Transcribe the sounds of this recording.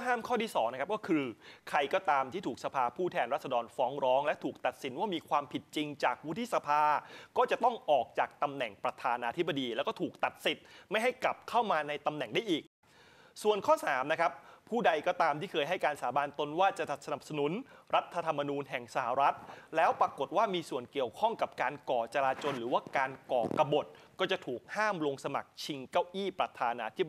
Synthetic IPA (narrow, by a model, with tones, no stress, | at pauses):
ɦaː˥˩mkʰɔː˥˩tiː˥˩sɔː˩˦ŋna˦˥kʰa˦˥p̚kɔː˥˩kʰɯː˧kʰɾa˧jkɔː˥˩t̪aː˧mt̪ʰiː˥˩t̪ʰuː˨˩k̚sa˧pʰaː˧pʰuː˥˩t̪ʰɛː˧nɾa˥t̪̚sa˧dɔː˧nfɔː˦˥ŋɾɔː˦˥ŋlɛ˦˥t̪ʰuː˨˩k̚t̪a˨˩t̪̚si˩˦nwaː˥˩miː˧kʰwaː˧mpʰi˨˩t̪̚t͡ɕi˧ŋt͡ɕaː˨˩k̚wu˦˥t̪ʰːi˥sa˧pʰaː˧kɔː˥˩t͡ɕa˨˩t̪ɔ˥˩ŋʔɔː˨˩k̚t͡ɕaː˨˩k̚t̪a˧mnɛ˨˩ŋpɾa˧t̪ʰaː˧nʔaː˧t̪ʰi˦˥ba˧diː˧lɛ˦˥kɔː˥˩uː˨˩k̚t̪a˨˩t̪̚si˨˩t̪̚ma˥˩jɦa˥˩jkla˨˩p̚kʰa˥˩wmaː˧na˧jt̪a˧mnɛ˨˩ŋdaː˥˩jʔiː˨˩k̚ | su˨˩ənkʰɔː˥˩saː˩˦mna˦˥kʰa˦˥pʰuː˥˩da˧jkɔː˥˩t̪aː˧mt̪ʰiː˥˩kʰɤː˧jɦa˥˩jkaː˧nsaː˩˦baː˧nt̪o˧nwaː˥˩t͡ɕa˨˩t̪a˨˩sa˧na˨˩p̚sa˧nu˨˩˦nɾa˦˥t̪ʰːa˧t̪ʰa˧mːa˧nuː˧nɦɛ˨˩ŋsa˧˩ha˨˩ɾa˦˥t̪̚lɛː˦˥wpɾa˧ko˨˩t̪̚waː˥˩miː˧su˨˩ənki˨˩əwkʰɔ˥˩ŋka˨˩p̚kaː˧nkɔː˨˩t͡ɕa˧ɾaː˧t͡ɕo˧nɾɯː˩˦waː˥˩kaː˧nkɔː˨˩ka˧bo˨˩t̪̚kɔː˥˩t͡ɕa˨˩t̪ʰuː˨˩k̚haː˥˩mlo˧ŋsa˧ma̰˨˩k̚t͡ɕʰi˧ŋkaː˥˩wʔiː˥˩pɾa˧t̪ʰaː˧naː˧t̪ʰi˦˥b